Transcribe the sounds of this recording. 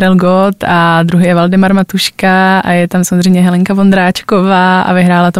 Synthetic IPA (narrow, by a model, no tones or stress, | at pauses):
ɾɛlɡot̪ad̪ɾuɦɪjɛvaldɪmaɾmat̪uʃkaa̰jɛt̪amsamozr̝ɛjmɲɛɦɛlɛŋkavond̪ɾaːt͡ʃkovaːa̰vɪɦɾaːlat̪o